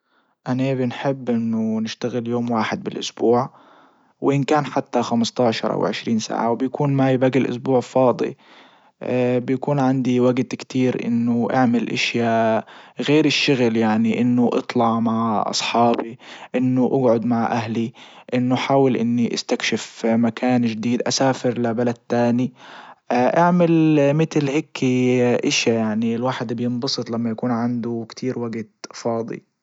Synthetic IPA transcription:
ʔanabɪnħɪbːʔɪnːʊnɪʃt̪aɣɪljoːmwaːħɪd̪̚bɪlʔʊsbuːʕ | wʔɪnkaːnħat̪ːaxamst̪ɑːʕʃɑ̰ɾˤʔa̰wʕɪʃɾiːnsa̰ːʕawbjakuːnmajbaɡɪlʔʊ̰sbuːʕɪfɑːd̪ˤḭ | bjakuːnʕand̪iwaɡt̪kt̪iːɾʔɪ̰nːʊʔaʕmɪlʔaʃjaːʔɣeːɾɪʃːʊɣljaʕniʔɪnːʊʔɨ̰t̪ˤlɑʕmaʕʔɑ̰sˤħɑːbiʔɪnːʊʔaɡʕʊd̪maʕʔaɦliʔɪnːʊħaːwɪlʔɪnːiʔa̰st̪akʃɪfmakʰaːnd͡ʒd̪iːd̪ʔasaːfɪɾlabalad̪̚t̪ːaːni | ʔaʕmɪlmɪt̪lhɪkʰːiʔɪʃjajaʕniɪlwaːħɪd̪bjɪnbɑsˤɨt̪ˤlamːajakuːnʕand̪ʊkt̪ʰiːɾwaɡt̪fɑːd̪ˤḭ

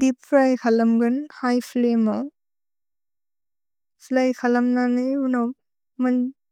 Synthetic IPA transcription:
dipʰːɾajkʰalɐmɡɯnhajpʰlemaw | pʰlajkʰalɐmnaniunaw | man

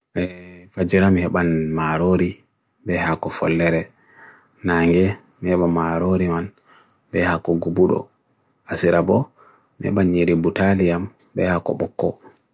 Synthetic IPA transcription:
ʔɛfad͡ʒiɾamihɛɓanmaɾoɾi | bɛhakɔfɔ̰lːɛɾɛ | naŋɡɛ | mihɛɓamaɾoɾiman | bɛhakɔɡubuɗɔ̰ | asiɾabɔ | mihɛ̰ɓanɲiɾibutaliam | bɛhakɔ̰ɓɔkːɔ̰

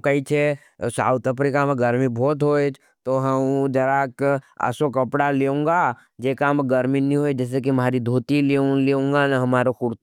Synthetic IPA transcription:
kəit͡ʃʰe | sa̰ːut̪əpɾikameɡəɾmibʱɔːt̪ɦoːed͡ʒ | t̪oɦɐmd͡ʒəɾaːkə̰sokəpɽaleːũːŋɡa | d͡ʒeːkamɡəɾminĩɦoed͡ʒɛːs̬ek̬imaːɾid̪ʱoːt̪ileleõːŋɡanɦɐmaːɾokʊɾt̪

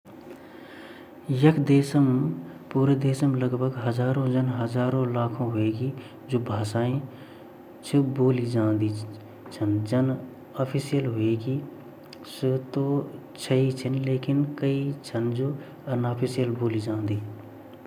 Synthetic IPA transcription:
jəkʰd̪eːsəmpuːɾd̪eːsəmləɡbʱəɡɦəd͡ʒaːɾõd͡ʒənɦəd͡ʒaːɾõlaːkʰõɦʊeːɡi | d͡ʒoːbʱaːsaːĩ | t͡ʃʰəboːlid͡ʒãːnd̪i | t͡ʃʰənd͡ʒən | aːpʰisijəlɦʊeːɡi | sət̪o | t͡ʃʰəit͡ʃʰənleːkɪnkəit͡ʃʰənd͡ʒoː | ɐnaːpʰisijəlboːlid͡ʒãːnd̪iː

